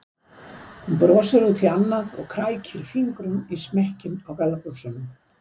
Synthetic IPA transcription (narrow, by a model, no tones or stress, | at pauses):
hunpɾɔːsaɾut̪ʰɪlanːaðɔ̰ɣkʰɾaːjcʰɪɾfiŋkɾʏmismɛhcɪnawkalːapuwsʏnʏm